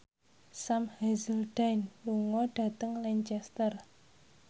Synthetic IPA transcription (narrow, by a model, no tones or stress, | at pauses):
samhazəld̥anluŋɔɖ̥a̤t̪əŋliɲt͡ʃɛst̪ər